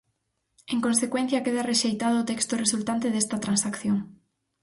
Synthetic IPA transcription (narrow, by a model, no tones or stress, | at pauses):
ẽŋkonsekwen̟θjakeðareʃejt̪aðoːt̪ekst̪oresult̪ant̪eðest̪at̪ɾansakθjoŋ